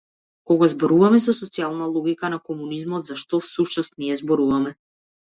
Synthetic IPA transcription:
kɔɡazbɔɾuvamɛzasɔt̪sialˠnalˠɔɡʲikanakɔmunizmɔd̪zaʃt̪ɔfsuʃnɔst̪niɛzbɔɾuvamɛ

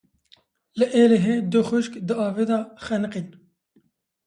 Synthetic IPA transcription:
ləʔeːleɦeːd̪ʊxʊʃkd̪ɨɑːveːd̪ɑːxɛnɨqin

